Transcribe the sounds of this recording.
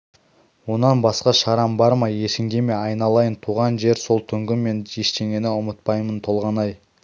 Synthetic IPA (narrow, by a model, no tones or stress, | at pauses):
wo̞nɑnbɑsqɑʃɑɾɑmbɑɾmɑje̞ʃɪŋd̪eme̞ɑjnɑlˠɑjənt̪ʰuʁɑnʒe̞ɾso̞lˠt̪ʰʏŋɡʲɪmːe̞ne̞ʃt̪e̞ŋʲe̞nɪʊmət̪̚pɑjmənt̪ʰo̞lˠʁɑnɑj